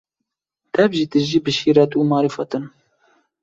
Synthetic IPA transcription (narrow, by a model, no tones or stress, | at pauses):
t̪ɛvʒiːt̪ɨʒiːbɨʃiːɾɛt̪uːmɑːɾifɑt̪ɨn